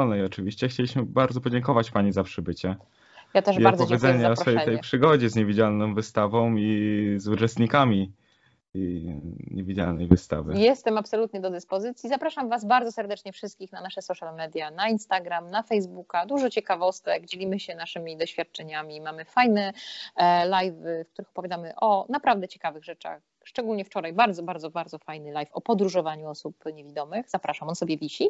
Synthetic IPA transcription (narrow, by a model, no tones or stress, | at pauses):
ɔlnɛjɔt͡ʂɘvʲiɕt͡ɕɛxt͡ɕelʲiɕmɘbaɾd̪zɔpɔd͡ʑɛŋkɔvat͡ɕpaɲizapʂɘbɘt͡ɕɛ | jat̪ɛʐibaɾzɔvjɛd̪zɛɲɲɛɔɾɛj̪ɛjpʂɘɡɔd͡ʑɛzɲevʲid͡ʑalnɔ̃w̃vɘst̪avɔ̃w̃izut͡ʂɛst̪ɲikamʲi | ɲevʲid͡ʑa̰lnɛ̰jvɘst̪a̰vɘ̰jɛst̪ɛmapsɔlut̪ɲɛd̪ɔd̪ɘspɔzɘt̪sʲjizapɾaʂamvazbaɾdzɔsɛɾd̪ɛt͡ʂɲɛfʂɘst̪kʲixnanaʂɛsɔʂjalmɛd̪ʲjanainst̪aɡɾamnafɛjzbukad̪uʐɔt͡ɕɛkavɔst̪ɛɡd͡ʑelʲimɘɕɛnaʂɘmʲid̪ɔɕfʲjat̪̚t͡ʂɛɲamʲimamɘfajnɛ | lajvfkt̪uɾɘxɔ̥pɔvʲjad̪amɘʔɔnapɾavd̪ɛt͡ɕɛ̥kavɘɣʐɛt͡ʂa̰x | ʂt͡ʂɛɡulɲɛft͡ʂɔɾajbaɾd̪zɔbaɾd̪zɔbaɾd̪zɔfajnɘlajfɔpɔd̪ɾuʐɔvaɲuɔsupɲevʲid̪ɔmɘxzapɾaʂamɔnsɔbʲjɛvʲiɕi